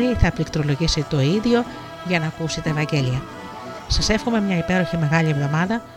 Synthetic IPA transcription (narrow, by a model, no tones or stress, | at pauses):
liθɐplikt̪ɾo̞lo̞ʝisit̪o̞iðʝo̞ | ʝɐnɐːkusit̪ɐevɐɲɟe̞liɐ | sɐse̞fxomemɲɐipe̞ɾo̞çime̞ɣɐʎievðo̞mɐðɐ